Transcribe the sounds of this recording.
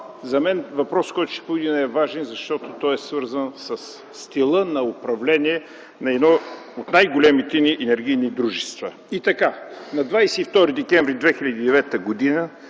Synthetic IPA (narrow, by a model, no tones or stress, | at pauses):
zɐmɛnvɐpɾɔskɔjt̪ʊ̥ʃt̪ɛ̥povid̪inɐɛvaʒɛnzɐʃt̪ɔt̪ot̪ɔjɛsvɤɾzənsəsː | t̪ilˠənɐopɾɐvlɛniɛ | nɐɛd̪nɔ | ot̪najɡolʲɛmit̪ɛniʔɛnɛɾɡ̟ijnid̪ɾuʒɛst̪vɐ | it̪ɐkanɐd̪vajsɛift̪ɔɾid̪ɛkɛ̃ɱvɾid̪vɛxilʲɐd̪iːd̪ɛvɛt̪əɡod̪inə